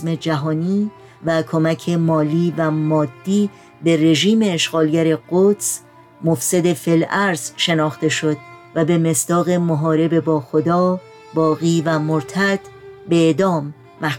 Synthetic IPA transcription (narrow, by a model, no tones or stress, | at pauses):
me̞d͡ʒæɦɒːniː | vækʰo̞mæcʰemɒːliːvæmɒːd̪ːiː | be̞re̞ʒiːme̞ːʃɣɒːlɟæɾe̞ɢot̪s | mofsed̪e̞felæɾz̥ʃe̞nɒːxt̪e̞ʃo̞d̪̚væbe̞me̞sd̪̥ɒːɣe̞moɦɒːɾe̞be̞bɒːxod̪ɒː | bɒːɣiːvæmoɾt̪ʰæd̪̥be̞ed̪ɒːmː | æ